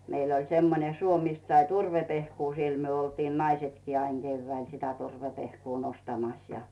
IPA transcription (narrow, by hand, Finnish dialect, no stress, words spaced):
meil olʲ semːone suo mist sɑi turʋepehkuː siel myø oltiːn nɑisetkiː ɑiŋ ɡ̊eyʋːæil sitæ turʋepehkuː nostɑmɑs jɑ